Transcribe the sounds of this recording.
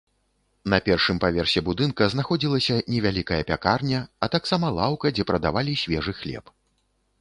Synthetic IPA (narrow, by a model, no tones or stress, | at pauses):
nɐpʲɛrʂɨmpavʲɛrsʲɛbud̪ɨnkɐznaxɔd͡zʲilˠɐsʲɐnʲɛvʲalʲikɐjɐpʲakarnʲɐɐt̪aksamɐlˠawkɐd͡zʲɛpɾɐd̪a̰valʲisʲvʲɛʐɨxlʲɛ̰p